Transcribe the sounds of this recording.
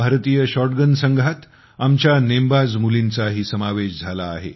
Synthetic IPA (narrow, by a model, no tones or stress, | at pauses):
bʱaɾt̪iːjəɕɔɾʈɡənsəŋɡʱat̪ | amt͡ɕjanembad͡zmulint͡saɦiːsəmaʋeɕd͡zʱalaːɦḛ